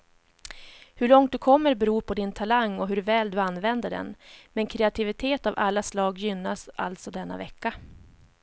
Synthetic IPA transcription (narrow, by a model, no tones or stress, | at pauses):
hɵɭɔŋt̪̚d̪ɵkʰɔmːəɾbɛɾuːɾpʰɔd̪ɪnt̪ʰalaŋːɔɦɵɾvɛːld̪ɵanːvɛnd̪əɖɛ̰nmɛnkʰɾɛat̪ʰɪvɪt̪ʰeːt̪avalːaslɑːɡjʏnːasʔa̰lt̪sɔd̪ɛnːa̰vɛkːa